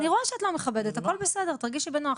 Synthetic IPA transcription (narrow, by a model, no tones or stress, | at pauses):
niʁoeʃeatlomeχabe̞detakolbesedeʁt̪aʁɡiʃebenoa